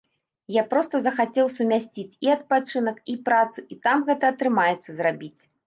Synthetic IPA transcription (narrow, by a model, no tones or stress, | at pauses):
japɾɔst̪ɐzɐxat͡sʲɛwsumʲasʲt͡sʲit͡sʲiɐt̪̚pat͡ʂɨnɐkipɾat̪suʔit̪amɣɛt̪ɐːt̪ɾɨmajɛt̪sːɐzrabʲit͡sʲ